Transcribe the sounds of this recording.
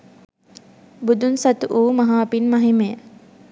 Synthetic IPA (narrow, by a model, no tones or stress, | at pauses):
bud̪unsɐt̪uʔuːmɐɦaːpinmɐɦimejə